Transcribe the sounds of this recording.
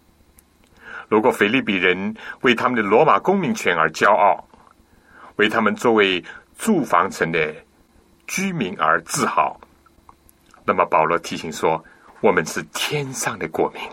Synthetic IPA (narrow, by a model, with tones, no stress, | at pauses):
lu˧˥kwɔ˨˩fe˧˥ɪli˥˩pi˨˩ɻə˧˥nwe˥˩t̪ʰa˥mə˨nd̪ə˨lwɔ˧˥ma˨˩kʊ˥ŋmi˧˥ŋt͡ɕʰɥɛ˧˥nə˞˧˥t͡ɕjɑ˥ʊʔɑ˥˩ʊ | we˥˩ɪt̪ʰa˥mə˨nt͡swɔ˥˩we˧˥ɪ | t͡su˥˩fɑ˧˥ŋt͡sʰə˧˥ŋd̪ə˧ | t͡ɕy˥mi˧˥ŋə̰˞˧˥t͡sɹ̩˥˧xɑ̰˨˩˦ʊ | na˥˩mə˩pɑ˨˩ʊlwɔ˧˥t̪ʰi˧˥ɕi˧˥ŋʂwɔ˥ | wɔ˨˩mə˧˦nʂɻ̩˥˩t̪ʰjɛ˥nʂɑ˥˩ŋd̪ə˩kwɔ˨˩mi˧˥ŋ